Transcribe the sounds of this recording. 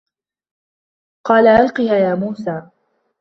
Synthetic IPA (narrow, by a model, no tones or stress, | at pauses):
qɑːlaʕalqɨhaːjaːmuːsaː